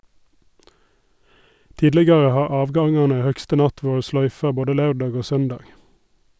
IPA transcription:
ˈtiːdlɛɡɑʁə ˈhɑː ˈɑːʋˌɡɑŋɑnə ˈhœkstə ˈnɑt ˈʋuːɹə ˈslœʏfɑ ˈboːdə ˈlɑʉˌɖɑːɡ ˈoː ˈsœnˌdɑːɡ

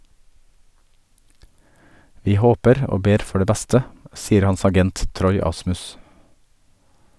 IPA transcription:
ˈʋiː ˈhoːpəɾ ˈoː ˈbeːɾ ˈfɔ ˈɖeː ˈbɛstə ˈsiːəɾ ˈhɑns ɑˈɡɛnt ˈtɾɔʏ ˈɑsmʉs

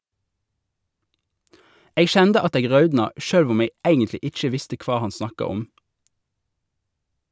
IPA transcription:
ˈeːɡ ˈʃɛndə ˈɑt ˈeːɡ ˈʁɑʉdnɑ ˈʃøːlʋ ˈʊm ˈeːɡ ˈæɪɡəntlɪ ˈɪc͡çə ˈʋɪstə ˈkʋɑː ˈhɑn ˈsnɑkɑ ˈɔm

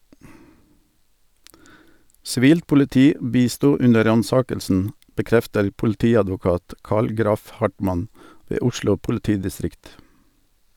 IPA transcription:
sɪˈʋiːlt pʊlɪˈtiː ˈbiːˌstuː ˈʉnə ˈɾɑnˌsɑːkəlsn̩ bəˈkɾɛftəɾ pʊlˈtiːɑdʋʊˌkɑːt ˈkɑːl ˈɡɾɑf ˈhɑʈmɑn ˈʋeː ˈʊʃlʊ pʊlɪˈtiːdɪˌstɾɪkt

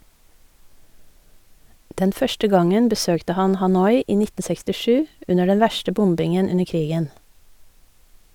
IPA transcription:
ˈdɛn ˈfœʃtə ˈɡɑŋən bəˈsøːktə ˈhɑn hɑˈnɔʏ ˈiː ˈnɪtn̩ sɛkstɪˈʃʉː ˈʉnə ˈɖɛn ˈʋæʃtə ˈbʊmbɪŋən ˈʉnəɾ ˈkɾiːɡən

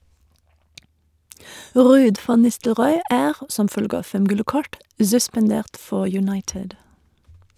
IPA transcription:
ˈʁʉːd ˈfɑn ˈnɪstəlʁɔʏ ˈʔæːʁ ə ˈsɔm ˈfœlɡə ˈɑː ˈfɛm ˈɡʉlə ˈkɔʈ zʉspɑnˈdeːʁt ˈfɔ jʉˈnɑɪʈɪd

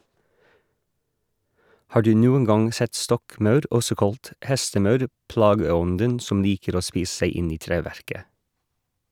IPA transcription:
ˈhɑː ˈɖʉː ˈnuːən ˈɡɑŋ ˈsɛt ˈstɔkˌmɑʉɾ ˈɔsɔ ˈkɑlt ˈhɛstəˌmɑʉɾ ˈplɑːɡəˌɔndən ˈsɔm ˈliːkəɾ ˈoː ˈspiːs̩ ˈsæɪ ˈɪn ˈiː ˈtɾeːˌʋæɾkə

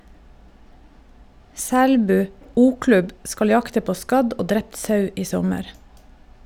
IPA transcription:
ˈsæɽbʉː ˈuːˌklʉb ˈskɑl ˈjɑktə ˈpoː ˈskɑɟ ˈoː ˈdɾɛpt ˈsɑʉ ˈiː ˈsɔməɾ

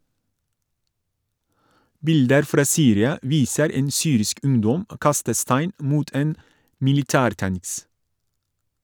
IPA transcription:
ˈbɪldəɾ ˈfɾɑː ˈsyːɾɪɑ ˈʋiːsəɾ ˈeːn ˈsyːɾɪsk ˈʉŋdɔm ə ˈkɑstə ˈstæɪn ˈmuːt ˈeːn mɪlɪˈtæːɾˌtæŋs

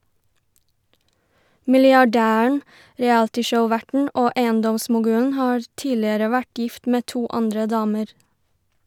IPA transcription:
mɪlɪɑˈɖæːəɳ̩ ɾɛˈæltɪʃəʊˌʋæʈɳ̩ ˈʔoː ˈʔeɪənˌdɔmsmʊˌɡʉːən ˈhɑːɾ ˈtiːlɪəɾə ˈʋæʈ ˈjɪft ˈmeː ˈtuː ˈɑndɾə ˈdɑːməɾ

